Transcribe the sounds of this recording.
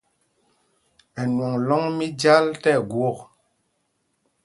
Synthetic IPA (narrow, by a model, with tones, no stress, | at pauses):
ɛ˨nwɔ˨ŋlɔ˦ŋmi˦d͡ʒa˦ltɛ˦˨ɡwo˦˨k